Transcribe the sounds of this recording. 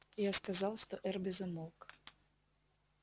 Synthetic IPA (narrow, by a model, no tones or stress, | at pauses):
jaskazɑwʂt̪ɔʔɛrbʲɛzɐmɔlˠk